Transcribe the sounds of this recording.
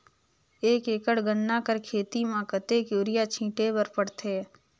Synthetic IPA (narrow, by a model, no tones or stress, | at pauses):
eːkeːkəɽɡənːakəɾkʰeːt̪imãkət̪ekjoːɾɪjat͡ʃʰĩːʈebəɾpəɽt̪ʰeː